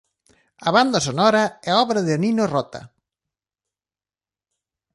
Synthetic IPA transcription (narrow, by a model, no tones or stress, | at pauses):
ɐβand̪ɐsonɔɾɐɛaɔβɾɐðɪninorɔt̪ɐ̰